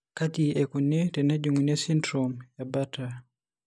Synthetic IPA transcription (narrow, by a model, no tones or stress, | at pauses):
katiɛkɔnetɛnad͡ʒuŋinesindɾomjabata